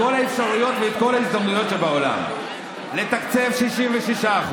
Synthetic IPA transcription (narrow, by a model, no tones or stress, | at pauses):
o̞laefʃaʁujo̞t̪veːt̪̚ko̞laizd̪amnujo̞t̪ʃe̞bao̞la̰m | le̞t̪akt͡se̞vʃiʃimveʃiʃaːχu